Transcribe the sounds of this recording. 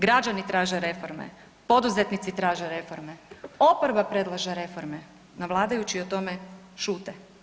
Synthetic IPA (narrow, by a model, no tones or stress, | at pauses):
ɡɾad͡ʒanit̪ɾaːʒeɾe̞fo̞ɾmḛ | po̞d̪uzet̪nit̪sit̪ɾaːʒeɾe̞fo̞ɾmeopoɾbapɾe̞d̪lˠaʒeɾe̞fo̞ɾme | naʋlˠaːd̪ajut͡ɕiot̪o̞me | ʃuːt̪e